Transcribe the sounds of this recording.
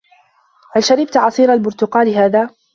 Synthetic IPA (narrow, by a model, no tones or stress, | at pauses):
halʃaɾɪb̚t̪ʕɑsˤiːɾalbʊɾt̪ʊqɑːlɪɦaːðaː